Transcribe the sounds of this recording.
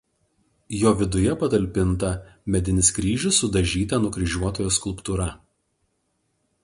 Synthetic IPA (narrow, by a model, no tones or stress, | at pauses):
joːʋʲɪd̪ʊjɛpɐt̪ɐlʲpʲɪnt̪ɐmʲɛd̪ʲɪnʲɪskɾʲiːʒʲʊsːʊd̪ɐʒʲiːt̪ɐnʊkɾʲɪʒʲuɔt̪oːjoːskʊlˠˑpt̪ʊɾɐ